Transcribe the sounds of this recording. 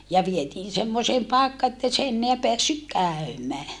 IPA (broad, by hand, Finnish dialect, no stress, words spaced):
jɑ ʋietiːn semːoseːm pɑekːɑ etːei se enːeæ peæsːyk kæˑy̞mæː